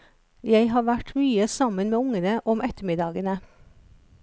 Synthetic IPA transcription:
jæɪɦɑːʋæʈmyːəsɑmənmeːʊŋənəʔɔmʔɛt̪əmɪd̪ɑːɡənə

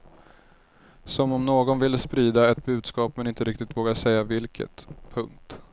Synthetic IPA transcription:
sɔmɔmnoːɡɔnvɪlːspɾiːd̪aɛt̪̚bʉ̟ːd̪skɑːpmɛnɪnt̪əɾɪkt̪ɪt̪voːɡaʂɛjːavɪlkʰə̰t̪pʰɵŋk̚t̪

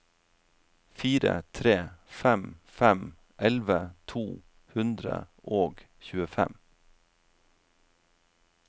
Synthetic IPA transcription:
fiːɾə̰t̪ʰɾeːfɛmfɛm | ʔɛlʋət̪ʰuː | hʉnd̪ɾə̰ʔoːɡ | çʉːəfɛ̰m

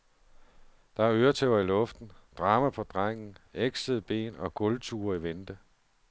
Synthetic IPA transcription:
d̥ɑ̈æɐøːɐt͡sʰeʊɐilɔ̽fd̥n̩d̥ʁɑ̈ːmæpʰɒ̽d̥ʁaŋ̰n̩eɡ̥səðˠb̥e̝̰ːnɒ̽ɡ̥ɔ̽lt͡sʰuːɐiʋend̥ə

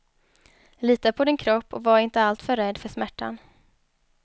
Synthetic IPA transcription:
liːt̪apʰɔd̪ɪnkʰɾɔpːɔvaɾɪnt̪əalt̪fœɾːɛd̪fœʂmæʈːa̰n

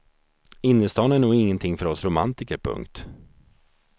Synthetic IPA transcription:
ɪnːəst̪ɑːnæɳuːɡɪŋːənt̪ʰɪŋːfœɾɔsɾʊma̰nt̪ɪkəɾpʰɵ̰ŋkt̪

